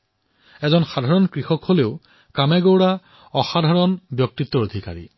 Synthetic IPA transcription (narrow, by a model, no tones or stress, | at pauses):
ɛzɔnxadʱaɹɔnkɹixɔkholeʊ | kamɛɡowɹa | ɔxadʱaɹɔnbjɔk̚tit̪ːɔod̪ʱika̰ɹḭ